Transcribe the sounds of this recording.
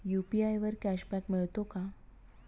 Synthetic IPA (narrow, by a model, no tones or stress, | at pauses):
jupiajʋəɾkæɕbɛkmeɭt̪oka